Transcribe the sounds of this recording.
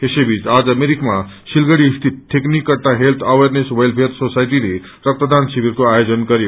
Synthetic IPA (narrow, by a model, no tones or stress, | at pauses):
kesebʱid͡zad͡zmeɾikma | silɡəɽiːst̪ʰit̪̚ʈʰːeknikʌʈːaɦelt̪ʰʌwerneswejlpʰet̪ʰsosajʈile | ɾʌk̚t̪əd̪ansibiɾkoajod͡zʌnkʌɾjo